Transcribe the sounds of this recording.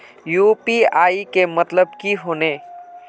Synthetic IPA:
jupiaːikemət̪ləb̚kiɦoːne

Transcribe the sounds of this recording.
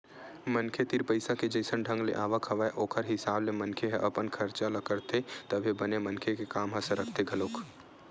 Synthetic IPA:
mənkʰet̪iɾpəɪsaked͡ʒəɪsənɖʱə̃ŋɡlḛʔaːʋəkʰɦɐʋaeʔoːkʰəɾɦɪsaːblemə̃nkʰeɦɛʔɐpənkʰəɾt͡ʃaləkəɾt̪ʰet̪ɐbʱebɐnemənkʰekekaːmɦɐsəɾəkʰt̪eɡʱɐloːk

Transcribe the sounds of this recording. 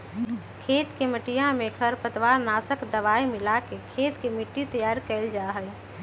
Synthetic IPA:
kʰet̪keməʈijãmekʰəɾpət̪ʋaɾnasəkd̪əʋaimɪlakekʰeːt̪kemiʈːit̪əjaːɾkɛld͡ʒaɦəj

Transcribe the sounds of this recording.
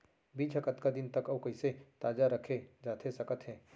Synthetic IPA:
bʱiːd͡ʒʰʱəkət̪kad̪ɪnt̪əkɐːkɐiset̪aːd͡ʒaɾəkʰed͡ʒaːt̪ʰesɐkət̪ɦɛ̃ː

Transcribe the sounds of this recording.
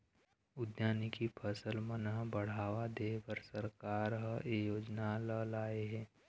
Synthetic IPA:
ʊd̪jaːnikipʰəsəlmənəɦbəɽ̤aːʋad̪eːkəɾsəɾkaːɾɦejoːd͡ʒnaləlaːeɦɛ̃ː

